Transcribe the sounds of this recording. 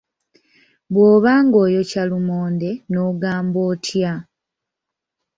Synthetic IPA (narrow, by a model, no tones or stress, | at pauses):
βwoːβaːŋɡo̞ːjo̞calumoːnde̞no̞ːɡaːmboːtʰja